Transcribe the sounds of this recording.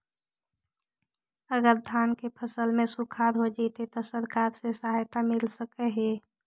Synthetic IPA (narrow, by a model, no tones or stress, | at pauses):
əɡəɾd̪ʱaːnkepʰəsəlmẽsukʰaɾɦod͡ʒat̪et̪ɔsəɾkaːɾsesaɦajt̪amɪlsəkɛɦeː